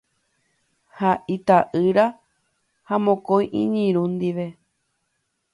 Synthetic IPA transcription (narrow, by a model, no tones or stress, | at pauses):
haʔit̪aʔɨɾa | hamõkõjʔḭ̃ɲĩɾ̃ũnd̪iʋe̞